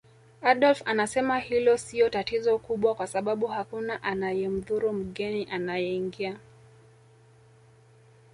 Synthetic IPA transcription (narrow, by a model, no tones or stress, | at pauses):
aɗɔlfanasɛmahilɔsiɔtatizɔkuɓwakwasaɓaɓuhakunaʔanajɛm̩ðuɾum̩ɠɛniʔanajɛiŋɡia